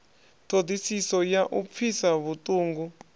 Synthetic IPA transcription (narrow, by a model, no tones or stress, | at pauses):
tʰodʱisisɔjaʔup̪fʰisaβutʼuːŋɡu